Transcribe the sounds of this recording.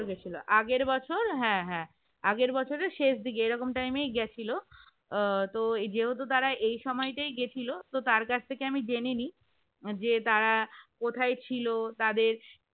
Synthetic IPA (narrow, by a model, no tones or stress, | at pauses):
ɾɡet͡ɕʰiloʔaɡeɾbɔt͡ɕʰoɾɦɛ̃ɦɛ̃ | aɡeɾbɔt͡ɕʰoɾeʃeʃd̪ikeejɾɔkomʈajmejɡɛt͡ɕʰilo | t̪od͡ʑeɦot̪̬ot̪aɾaʔejʃɔmɔeʈajɡet͡ɕʰilot̪ot̪aɾkat͡ɕʰt̪ʰekeamid͡ʑenini | d͡ʑet̪aɾakot̪ʰaet͡ɕʰilot̪ad̪eɾ